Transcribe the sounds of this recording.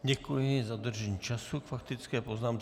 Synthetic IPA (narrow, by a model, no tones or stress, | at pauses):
ɟɛkujɪzad̪r̩ʒɛɲiːt͡ʃasukfakt̪ɪt͡skɛːpoznaːmt͡s